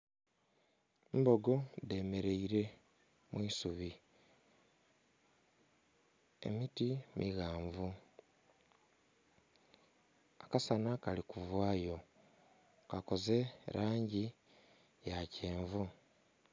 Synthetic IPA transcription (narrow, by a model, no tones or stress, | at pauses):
mbo̞ɡo̞de̞ːme̞ɾe̞iɾe̞ | mwuisuβi | e̞̰mitimʔiɣaːɱvu | akasanakalikuvwaːjo̞ | kako̞ze̞ɾʔaːɲɟi | jaceːɱvu